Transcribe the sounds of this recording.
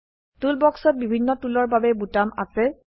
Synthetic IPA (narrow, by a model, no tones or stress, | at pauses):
tulbɔksɔt̚bibʱinːɔtulɔɹbabɛbutama̰sɛ